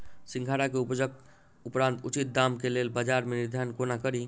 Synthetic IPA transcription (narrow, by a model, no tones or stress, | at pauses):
siŋɡʱaɽakeupd͡ʒək̚ | upɾãnt̪ut͡ʃit̪̚d̪amkelelbəd͡ʒaɾmeniɾd̪ʱankonakəɾi